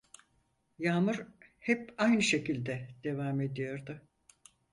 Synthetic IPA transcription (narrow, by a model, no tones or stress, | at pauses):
jaːmɯɾhɛpajnɯʃe̞cilʲd̪ɛd̪̥e̞vaːme̞d̪ijo̞ɾd̪ʊ